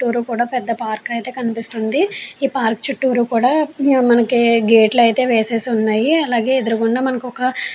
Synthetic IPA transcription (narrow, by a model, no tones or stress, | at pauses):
ʈːuːɾukuːɽaːpɛd̪ːɐpaːɾkɐjt̪e̞ːkɐnipist̪und̪iiːpaːɾkt͡ʃuʈːuːɾukuːɽaːmɐnɐkiɡeːʈlɐjt̪e̞ːʋeːse̞ːsiunːaːjiɐlaːɡe̞ːed̪uɾukuɳɖaːmɐnɐkiɔkɐ